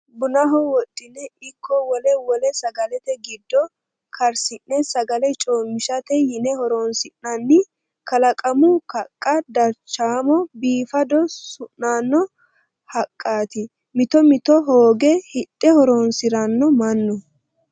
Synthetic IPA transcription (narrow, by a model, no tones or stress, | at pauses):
bʊnɐɦɔwɔt̪ʼːɪnɛɪkʰːɔwɔlɛwɔlɛsɐɡɐlɛt̪ɛɡɪd̪ːɔ | kʰɐɾsɪnːɛsɐɡɐlɛt͡ʃʼoːnmɪʃɐt̪ɛjɪnɛhɔɾoːnsɪnːɐnːɪ | kɐlɐkʼɐmʊkɐkʼːɐd̪ɐɾt͡ʃːaːmɔbiːfɐd̪ɔsʊʔːaːnːɔ | hɐkʼːaːt̪ɪ | mɪt̪ɔmɪt̪ɔɦoːɡɛhɪt̪ʼːɛhɔɾoːnsɪɾɐnːɔmɐnːɔ